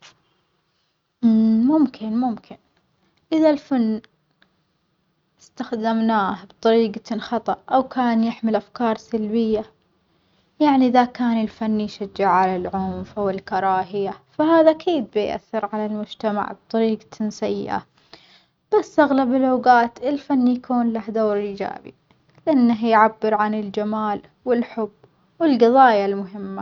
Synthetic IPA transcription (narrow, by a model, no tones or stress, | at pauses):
mʊmkʰɪnmʊmkʰɪn | ʔɪðalfanː | ʔɪst̪axd̪amnaːhbt̪ˤɑɾiːɡt̪nxɑt̪ˤɑʔʔawkʰaːnjɪħmɪlʔafkɑːɾˤsalbɪjːa | jaʕniʔɪðakaːnɪlfanːiʃad͡ʒːaʕʕalalʕʊmfʔawɪlkɑɾˤɑːɦɪjafaɦaːðaʔakʰiːd̪̚bɪjʔa̰θːɪɾʕalalmʊd͡ʒt̪ama̰ʕb̚t̪ˤɑɾiːɡ̪nsajːɪ̰ʔa̰ | b̥asːʔaɣlabɪlʔoːɡaːt̪ɪlfanːijakuːnlahd̪oːɾʔiːd͡ʒa̰ːbḭ | lɪʔanːaɦjʕabːɪɾʕanɪld͡ʒamaːl | wɪlħʊbː | wɪlɡɑðˤɑːjalmʊɦɪmːa